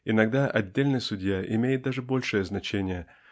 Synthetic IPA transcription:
ɪnɐɡ̚d̪aʔɐdʲːelʲnɨjsʊdʲjaʔɪmʲejɪt̪̚d̪aʐɨbo̞lʲʂɨjəznɐt͡ɕenʲɪjə

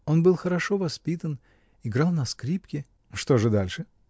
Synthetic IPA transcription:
o̞nbɨlˠxəɾɐʂo̞vɐspʲit̪ən | ɪɡɾɑlˠnɐskɾʲipkʲɪ | ʂt̪o̞ʐɨd̪alʲʂɨ

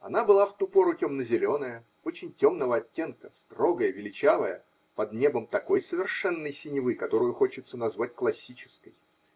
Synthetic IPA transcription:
ɐ̰n̪abɨlˠaft̪upo̞ɾʊtʲo̞mnəzʲɪlʲo̞nəjə | o̞t͡ɕɪnʲtʲo̞mnəvəɐtʲːe̞nkəst̪ro̞ɡəjəvʲɪlʲɪt͡ɕavəjə | pɐd̪nʲe̞bəmt̪ɐko̞jsəvʲɪrʂɛnːəjsʲɪnʲɪvɨkɐt̪o̞ɾʊjʊxo̞t͡ɕɪt̪sənɐzvatʲklˠɐsʲit͡ɕɪ̥skəj

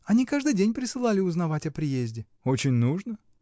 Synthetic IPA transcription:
ɐnʲikaʐd̪ɨjdʲenʲpɾʲɪsɨlˠalʲɪʊznɐvatʲɐpɾʲɪjezʲdʲɪ | o̞t͡ɕɪnʲnuʐnə

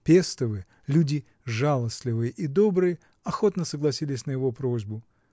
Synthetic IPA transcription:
pʲest̪əvɨ | lʲudʲɪ | ʐalˠəsʲlʲɪvɨjəʔid̪o̞bɾɨjə | ɐxo̞t̪nəsəɡlˠɐsʲilʲɪsʲnəjɪvo̞pɾo̞zʲbʊ

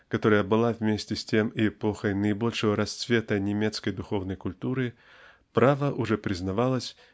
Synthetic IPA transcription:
kɐt̪o̞ɾəjəbɨlˠavʲmʲesʲtʲɪsʲtʲe̞mɪɪpo̞xəjnəɪbo̞lʲʂɨvəɾɐst̪svʲe̞t̪ənʲɪmʲe̞t̪skəjd̪ʊxo̞vnəjkʊlʲt̪uɾɨ | pɾavəʔʊʐɛpɾʲɪznɐvalˠəsʲ

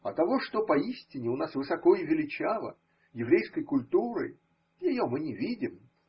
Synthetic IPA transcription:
ɐt̪ɐvo̞ʂt̪opɐisʲtʲɪnʲːɪʊnasvɨsɐko̞ɪvʲɪlʲɪt͡ɕavˠə̰ | jɪvɾʲejskəjkʊlʲt̪uɾɨ̰ | jɪjomɨnʲɪvʲidʲɪm

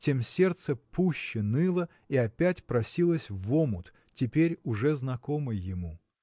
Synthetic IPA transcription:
tʲe̞msʲert̪səpuɕːɪnɨlˠə | iɐpʲætʲpɾɐsʲilˠəsʲvomʊ̰t̪ | tʲɪpʲeɾʲʊʐɛznɐkomɨjjɪmu

